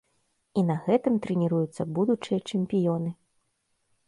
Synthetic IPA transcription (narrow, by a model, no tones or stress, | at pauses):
inɐɣɛt̪ɨmt̪ɾɨnʲiɾujut̪sːɐbud̪ut͡ʂɨjɐt͡ʂɛmʲpʲijɔnɨ